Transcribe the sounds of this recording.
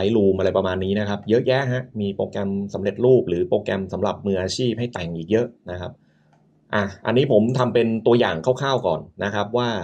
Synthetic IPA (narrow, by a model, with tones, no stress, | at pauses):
a˦˥jluː˧mʔa˧ɾa˧jpɾa˧maː˧nːiː˦˥na˦˥kʰa˦˥p̚jɤ˦˥ʔjɛ˦˥ʔɦa˦˥ʔmiː˧pɾoː˧kɛ˧msa˩˦mɾe˨˩t̪̚ɾuː˥˩p̚ɾɯː˩˦poː˧kɛ˧msa˩˦mɾa˨˩p̚mɯː˧ʔaː˧t͡ɕʰiː˥˩p̚ha˥˩jt̪ɛ˨˩ŋʔiː˨˩k̚jɤ˦˥ʔna˦˥kʰa˦˥p̚ | ʔa˨˩ʔa̰˧nːiː˦˥pʰo˩˦mt̪ʰa˧mpe˧nt̪u˧ɐjaː˨˩ŋkʰaː˥˩wkʰaː˥˩wkɔ̰ː˨˩nːa˦˥kʰɾa˦˥p̚waː˥˩